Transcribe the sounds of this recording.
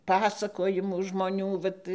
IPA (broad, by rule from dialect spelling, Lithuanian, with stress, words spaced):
ˈpɑːsɐkoːjɪmuː ʒmoːˈnʲuː ˈʋɐt